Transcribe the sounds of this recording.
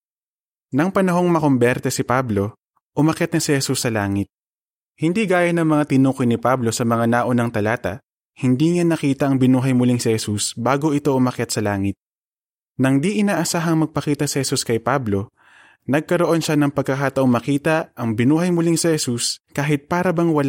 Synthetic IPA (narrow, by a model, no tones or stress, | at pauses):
nɐŋpɐnɐɦo̞ŋmɐko̞mbɛɾt̪ɛsɪpablo̞ | ʔʊmɐkjat̪nɐsɪhɛsusːɐlaːŋɪt̪̚ | hɪnd̪iɡaːjɐnɐŋmɐŋat̪ɪnuːkojnɪpablo̞sɐmɐŋanaːʔo̞nɐŋt̪ɐlaːt̪ɐ̰ | hɪnd̪iŋanɐkiːt̪ɐʔɐŋbɪnuːɦɐjmʊliŋsɪhɛsusbaːɡo̞ʔɪt̪o̞ʔʊmɐkjat̪̚sɐlaːŋɪt̪̚ | nɐŋd̪iʔɪnaːʔɐsaːɦɐŋmɐɡ̚pɐkiːt̪ɐsɪhɛsuskɐjpablo̞ | nɐɡ̚kɐɾoʔo̞nʃanɐŋpɐɡ̚kɐkaːt̪ɐʔoŋmɐkiːt̪ɐʔɐŋbɪnuːɦɐjmʊliŋsɛhɛsuskaːɦɪt̪̚paːɾɐbɐŋwɐl